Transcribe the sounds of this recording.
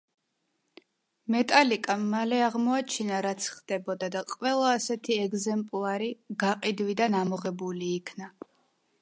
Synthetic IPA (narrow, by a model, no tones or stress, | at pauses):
mɛt̪ʼalikʼamːalɛaʁmɔat͡ʃʰinaɾat̪sʰχd̪̥ɛbɔd̪ad̪aqʼwɛlˠaːsɛt̪ʰiɛɡzɛmpʼlˠaɾiɡaqʼid̪wid̪anamɔʁɛbuliːkʰna